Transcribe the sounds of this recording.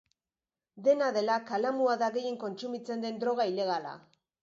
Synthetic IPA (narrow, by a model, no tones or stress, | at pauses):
d̪e̞naðe̞lakalamuaðaɣe̞je̞ŋko̞nt͡sumit͡se̞nd̪e̞nd̪ɾo̞ɣaile̞ɣ̞ala̰